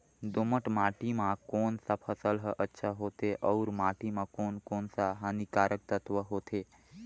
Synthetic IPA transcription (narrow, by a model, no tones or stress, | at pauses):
d̪oməʈmaːʈimãkoːnsapʰəsəlɦəʔətːʃʰaɦoːt̪eʔɔːɾmaːʈimãkoːnkoːnsaɦanikaːɾək̚t̪ət̪ʋəɦoːt̪ʰeː